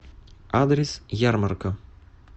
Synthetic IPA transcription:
ad̪ɾʲɛsjarmɐrkɐ

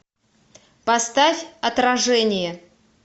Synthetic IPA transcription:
pɐst̪afʲɐt̪ɾɐʐɛnʲɪjə

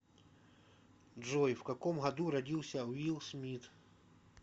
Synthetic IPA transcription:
ʐojfkɐkomɣɐd̪uɾɐdʲilˠsʲɐwʲilˠsmʲit̪

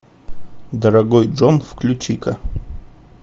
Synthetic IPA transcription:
d̪ɐɾɐɡojʐonfklʲʊt͡ʃikɐ

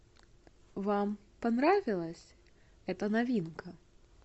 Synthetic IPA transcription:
vam | panɾavʲilˠɐsʲ | ɣɛt̪ɐnavʲinkʰɐ

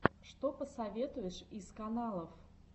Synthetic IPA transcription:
ʂt̪opəsɐvʲet̪ʊjɪʂiskɐnalˠəf

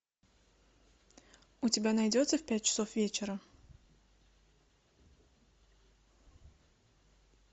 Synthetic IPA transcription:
ʊtʲɪbʲanɐjdʲo̞t̪səfʲpʲæt̚ʲt͡ɕɪ̥sofvʲet͡ɕɪɾə

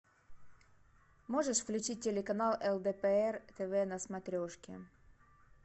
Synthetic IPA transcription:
moʐəʂvlʲʊt͡ɕit̚ʲːelʲekɐnalˠɛlˠd̪ɛpɛɛrt̪ɛvɛnɐsmɐt̪ɾʲoʂkʲɪ̰

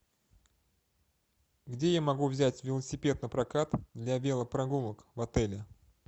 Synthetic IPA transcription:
ɡdʲe̞jamɐɡuvzʲætʲvʲɪlˠəsʲɪpʲe̞t̪nəpɾɐkat̪d̪lʲabʲe̞lˠəpɾɐɡumˠəkvɐt̪ɛlʲɪ

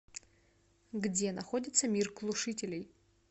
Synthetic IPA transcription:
ɡdʲenɐχo̞dʲit̪sɐmʲirklˠuʂɨtʲɪlʲej

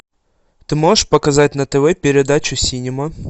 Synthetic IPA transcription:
t̪ɨmoʐɨʂpɐkɐzat̚ʲnɐt̪əvɛpʲɪɾʲɪd̪at͡ɕʊsʲinʲɪmɐ

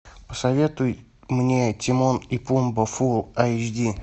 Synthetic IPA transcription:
pə̥sɐvʲe̞t̪ʊj | mnʲetʲɪmonipumbəfulˠat͡ʃdʲi

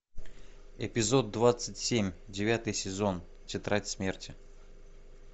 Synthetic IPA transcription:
ɪ̰pʲɪzo̞d̪̚ːvat̪sɨtʲsʲemʲdʲɪvʲat̪ɨjsʲɪzo̞n | tʲɪt̪ɾatʲsmʲertʲɪ

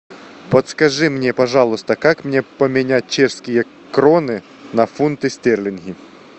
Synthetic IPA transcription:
pɐt̪skɐʐɨmnʲepɐʐɑlˠʊst̪ɐkakmnʲepɐmʲɪnʲat̚ʲt͡ɕɛʂskʲɪjɐ | kɾonɪ | nɐfunt̪ɨsʲt̪ʲɛrlʲɪnɣʲi

